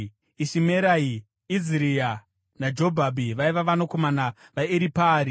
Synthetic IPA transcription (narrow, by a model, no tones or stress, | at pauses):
iʃimeɾai | iziɾia | nad͡ʒo̞bʱabʱiʋaiʋaʋanoko̞mana | ʋaiɾipaːɾi